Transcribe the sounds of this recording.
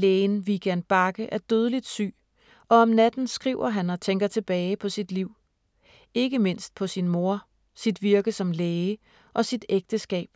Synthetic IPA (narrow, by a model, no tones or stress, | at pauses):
leːnʋiɡ̥ænb̥ɑ̈ɡ̥əʔæɐd̥øð̞ˠəlid̥sy̰ː | ʔɒ̽ɒ̽mnæd̥n̩sɡ̥ʁiʊ̰ɐɦænɒ̽t͡sʰeŋ̰ɡ̥ɐt͡sʰe̝b̥ɛːɪpʰɒ̽sid̥liʊ̰ | e̝ɡ̥əme̝n̰sd̥̚pʰɒ̽sinmo̝ɐ̰ | sid̥ʋiɐɡ̥əsɒ̽mleːə | ʔɒ̽sid̥eɡ̥̚d̥əsɡ̥ɛ̰ːb̥